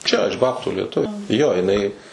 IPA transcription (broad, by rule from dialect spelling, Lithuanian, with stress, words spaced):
ˈt͡ʃʲɛ ɪʃ ˈbɑːptuː lʲiɛˈtʊʋʲeː ˈjoː jɪˈnɐɪ